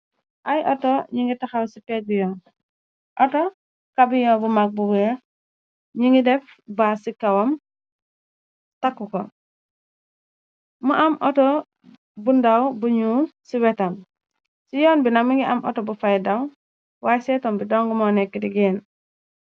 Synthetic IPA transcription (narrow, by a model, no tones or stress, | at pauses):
ʔajʔɔtɔɲiŋɡitaxawsipɛɡujɔːn | ʔɔtɔ | kabiɲɔbumak̚buɡujɔ | ɲiŋɡidɛf | basikːawam | takːukɔ | muʔamʔɔtɔ | bundawbuɲusiwɛtam | sijɔːnbinamiŋɡiʔamʔɔ̰tɔbufajdaw | wasɛtɔmbidɔŋɡumɔnɛkːidiɡen